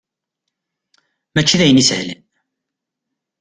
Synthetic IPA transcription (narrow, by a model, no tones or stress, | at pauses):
mæt͡ʃːiðæjənishlən